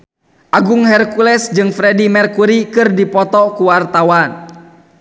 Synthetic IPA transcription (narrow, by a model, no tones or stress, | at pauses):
ʔaɡʊŋhɛrkulɛsd͡ʒɨŋfɾɛdimɛrkuɾikɨrdipɔt̪ɔkuwart̪awan